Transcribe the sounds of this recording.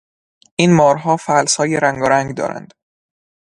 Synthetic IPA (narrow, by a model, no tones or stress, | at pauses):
ʔiːnmɒːɾɦɒːfælshɒːjeɾæŋɡɒɾæŋɡd̪ɒ̰ːɾæ̰nd̪̥